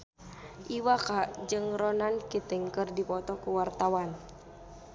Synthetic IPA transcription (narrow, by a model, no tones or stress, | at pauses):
ʔiwakaʔd͡ʒɨŋɾɔnankit̪ɪŋkɨrdipɔt̪ɔkuwart̪awan